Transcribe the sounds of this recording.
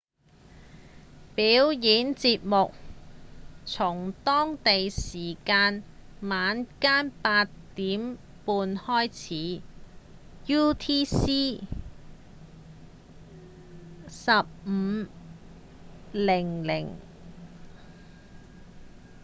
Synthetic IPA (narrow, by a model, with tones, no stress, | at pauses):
piː˨˥wjiː˨˥nt͡siː˧t̚mʊ˨k̚ | t͡sʰʊ˨˩ŋt̪ɔː˥ŋt̪e˨jsiː˨˩kaː˧nmaː˨˧nkaː˥npaː˧tt̪iː˨˥m | puː˧nhɔː˥jt͡sʰiː˨˥ | juː˥t̪ʰiː˥siː˥ | sɐ˨p̚m̩˨˧ | lɪ˨˩ŋlɪ̰˨˩ŋ